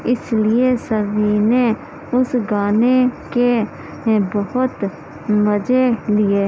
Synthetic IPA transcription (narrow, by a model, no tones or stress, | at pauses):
ɪsliesəɾine | ʊsɡaːneke | bəɦʊt̪ | məd͡ʒelieː